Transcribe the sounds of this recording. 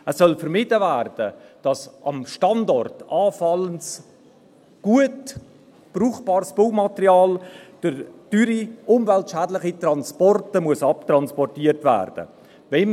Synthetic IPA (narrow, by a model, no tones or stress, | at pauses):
ɛsːœlfəɾmɪdəvæːrd̥əd̥ɑsʔɑmʃtɑndɔrtɑːfɑləns | ɡ̥uət | b̥ruːχb̥ɑːɾsb̥owmɑtəɾiɑːld̥əɾtyɾiʊmvɛltʃɛːdləχitrɑnspɔrtəmuəsɑp̚trɑnspɔrtiːəɾtvæ̰ːrd̥ə̰ | vɛn